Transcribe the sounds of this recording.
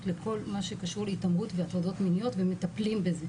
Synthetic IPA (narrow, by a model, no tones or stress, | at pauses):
tlekʰo̞lmaʃe̞kaʃuʁleitamʁutveat̪ʁado̞tminijo̞tvemːetaplimbeze̞